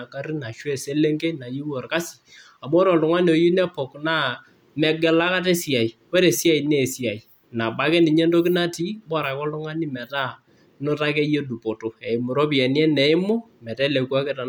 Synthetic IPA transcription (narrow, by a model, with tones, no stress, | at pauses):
a˨ka˦ɾi˦na˨ʃwɛ˦˨se˦le˦ŋɡe˦na˨ji˦wɔ˨rka˦si̥˨ | a˨m˦ɔ˦ɾɔ˨lʊ˨ŋa˦n˨o˨ji˦nɛ˦pɔ˨kna˦ | mɛ˨ɡɛ˨la˦ka˦t̬e˦sɪ˨a˨i˨we˦ɾe˨si˦a˦˨i˨ne˦˨si˦a˨i˨ | na˨ba˦kɛ˦ni˨ɲɛ˦ndo˦kɪ˦na˦ti˦bɔ˦ɾa˨kɔ˦lʊ˦ŋa˦ni˦mɛ˨ta˦ | no˦ta˦kɛ˦je˦du˨po˨to˨ɛ˨mʊ˨ɾo˦pi˨ɛ˨ni˦ɛ˦nɛ˨ɪ˦mo˦ | mɛ˨tɛ˦lɛ˨ka˦kɛ˦ta˨